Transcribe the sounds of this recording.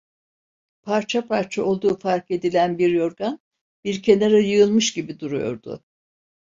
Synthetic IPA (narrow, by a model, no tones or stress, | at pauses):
pʰaɾt͡ʃʰapʰaɾt͡ʃʰao̞lˠd̪uːfaɾke̞d̪ilʲænbiɾjo̞ɾɡan | biɾcʰe̞naɾajɯjɯlˠmɯʃɟibid̪uɾujo̞̰ɾd̪̥ʊ̰